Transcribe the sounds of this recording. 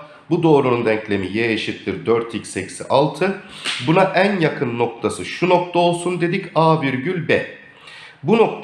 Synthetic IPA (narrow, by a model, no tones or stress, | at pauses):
bud̪o̞ːɾunund̪æncʰlʲe̞mijejeʃip̚t̪ʰiɾd̪øɾt̪ʰicsecsiʔalˠt̪ʰɯbunaʔænjakʰɯnːo̞k̚t̪ʰasɯʃuno̞k̚t̪ʰao̞lˠsund̪e̞d̪icaːviɾɟylʲbɛ | bunok̚t̪